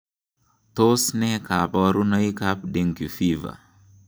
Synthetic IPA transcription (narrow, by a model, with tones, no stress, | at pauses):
to˦snɛ˦ka˨pɔɾu˦na˦i˦ka˦p̚de˦ŋki˨fi˦va̰˨